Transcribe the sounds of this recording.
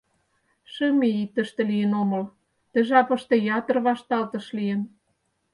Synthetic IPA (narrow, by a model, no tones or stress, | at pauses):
ʃə̆miit̪ə̆ʃt̪ĕlijənomɤ̆l | t̪ə̆ʒɑpɤ̆ʃt̪ĕjɑt̪ɤ̆rβɑʃt̪ɑlt̪ɤ̆ʃlijə̆n